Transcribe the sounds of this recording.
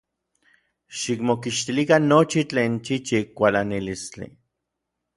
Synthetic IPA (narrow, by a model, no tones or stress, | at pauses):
ʃikmokiʃt̪ilikanːot͡ʃit͡ɬeːnt͡ʃit͡ʃikʷalanilist͡ɬḭ